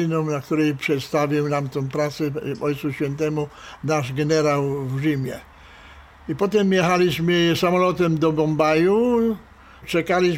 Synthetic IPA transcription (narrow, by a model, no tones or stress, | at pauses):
inɔ̃mnak̚t̪uɾɛjpʂɛt̪st̪avʲiwnamt̪ɔ̃w̃pɾat̪sɛɔjt̪suɕfʲjɛnt̪ɛmunaʐɡɛnɛɾawvʒimʲjɛ | ipɔt̪ɛmːjɛxalʲiɕmɘsamɔlɔt̪ɛmd̪ɔbɔmbaju | t͡ʂɛkalʲiɕ